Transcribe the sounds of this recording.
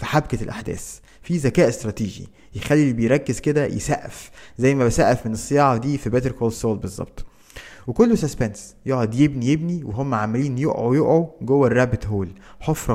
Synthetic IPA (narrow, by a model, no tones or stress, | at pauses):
fiħabkælʔaħd̪æ̰ːs | fizækæːʔest̪ɾˤɑːt̪iːʒḭ | jexælːilbejɾˤɑkːezked̪æjḛsæʔæ̰fzæjːmæbæsæʔæfmenesːejɑːʕɑd̪iːfibæt̪eɾkoːlsoːlbezˤːɑ̰b̥̚t̪ˤ | wekolːosæspænsjoʕod̪jebnijebniweɦomːæʕamæliːnjoʔʕojoʔʕoɡowːærːæbet̪ɦoːlħofɾɑ